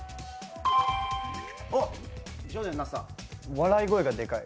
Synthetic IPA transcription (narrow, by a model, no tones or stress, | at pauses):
od͡ʑoːnẽnːasa̰βaɾaiɡoeɡad̪e̞kai